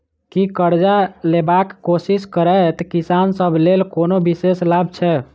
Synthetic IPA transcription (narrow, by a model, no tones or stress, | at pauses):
kikəɾd͡ʒalebakːosiskəɾɛt̪kisansəbʱlelkonobiseslab̚ʱt͡ʃʰɛ